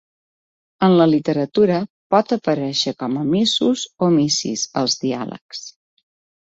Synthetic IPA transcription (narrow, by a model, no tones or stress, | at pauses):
ənləlit̪əɾət̪uɾə | pɔt̪əpəɾɛʃəkɔməmizuzomisḭzəlˠzðia̰lə̰ks